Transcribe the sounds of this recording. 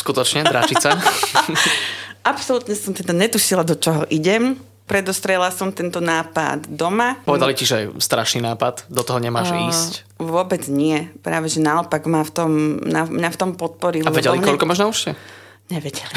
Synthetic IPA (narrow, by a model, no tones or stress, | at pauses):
skut̪ɔt͡ʃɲɛd̪ɾat͡ʃit͡sa | ʔapsɔlut̪ɲɛsɔmt̪ɛd̪aɲɛt̪uʃilad̪ɔt͡ʃɔɦɔʔiɟɛm | pɾɛd̪ɔst̪ɾɪɛlasɔmt̪ɛnt̪ɔnaːpa̰d̪d̪ɔmapɔʋɛd̪aliciʒɛst̪ɾaʃninaːpad̪d̪ɔt̪ɔɦɔɲɛmaːʒiːsc | ʋʊɔbɛd͡zɲɪɛpɾaːʋɛʒɛnaɔpaɡmaːft̪ɔmɲamɲaft̪ɔmpɔt̪̚pɔɾilavɛɟɛlikɔʎkɔmaːʒnauʃɛ | ɲɛʋɛɟɛli